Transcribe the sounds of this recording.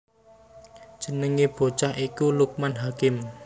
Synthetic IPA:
d̥ʒ̥ə̤nəŋeb̥o̤t͡ʃahikuluk̚manɦakɪm

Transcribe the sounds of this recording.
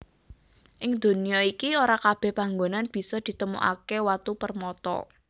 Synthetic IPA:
ʔɪŋd̪̥o̤niaikioɾakab̥ɛ̤hpaŋɡonanb̥i̤sɔd̪̥i̤t̪əmṵʔa̰kewat̪upərmɔt̪ɔ̰

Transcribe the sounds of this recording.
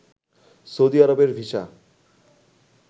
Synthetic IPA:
sowd̪iaɾobeɾbʱiʃa̰

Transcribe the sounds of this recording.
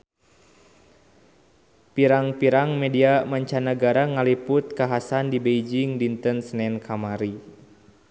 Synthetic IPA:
piɾaŋpiɾaŋmɛdiamaɲt͡ʃanəɡaɾaŋalipʊt̪̚kaɦasandibejd͡ʒiŋdint̪ənsnɛnkʰamaɾi

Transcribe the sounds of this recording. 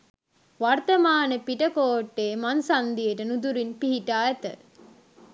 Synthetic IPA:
ʋart̪ɐmaːnəpiʈəkoːʈːeːmansand̪ijəʈənud̪uɾinpiɦiʈaːɛt̪ə̰

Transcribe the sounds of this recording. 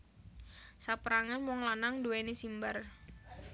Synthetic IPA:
sapəɾaŋanmɔŋlanaŋduwenisimbar

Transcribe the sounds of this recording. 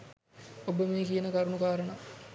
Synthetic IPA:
obəmeːkijɐnəkɐɾuɳukaːɾɐɳɐ

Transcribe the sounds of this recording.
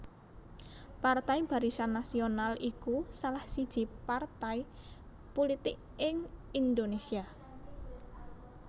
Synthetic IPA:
part̪ajb̥a̤ɾisanːasionalʔikusalahsid̥ʒ̥i̤part̪ai | polit̪ɪk | ɪŋind̪onesia

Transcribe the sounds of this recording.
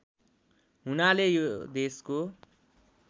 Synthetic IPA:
ɦunalejod̪esko

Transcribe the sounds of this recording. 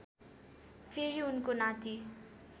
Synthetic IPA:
pʰeɾiunkonãt̪i

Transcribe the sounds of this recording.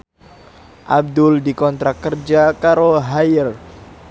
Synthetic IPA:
ʔab̚dʊldikɔnt̪ɾakərd͡ʒakaɾoɦajɪr

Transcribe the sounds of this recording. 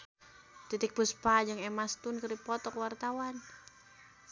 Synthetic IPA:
t̪it̪ik̚puspad͡ʒaŋɛmast̪unkəɾipɔt̪ɔkwart̪awan

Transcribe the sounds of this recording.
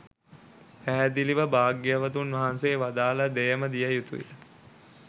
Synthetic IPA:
pæːd̪iliʋəbaːɡjəʋət̪unʋɐɦanseːʋad̪aːləd̪ejəməd̪ijəjut̪uḭlə

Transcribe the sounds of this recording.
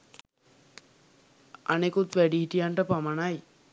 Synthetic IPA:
anekut̪ʋæɖiɦiʈijaɳʈəpamanaj

